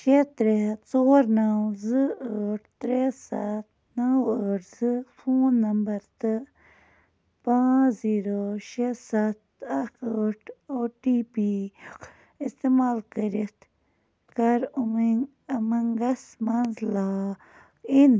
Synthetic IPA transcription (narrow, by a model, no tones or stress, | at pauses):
ʃet̪ɾet͡soːɾnɐwzɨəːʈʰt̪ɾesɐt̪̚ | nɐwəːʈʰzɨfʰoːnːɐmbɐɾt̪ɨ | pãːziːɾoʃesɐt̪̚ɐkʰəːʈʰoːʈiːpi | ist̪emaːlkəɾit̪ | kɐɾumiŋ | ɐmɐŋɡɐsmɐnzlaː | in